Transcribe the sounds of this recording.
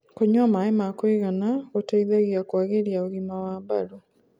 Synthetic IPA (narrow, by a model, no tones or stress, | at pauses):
koɲwamaemakoiɣanaɣotaiðaɣiakwaɣeɾjaoɣimawaːbaɾo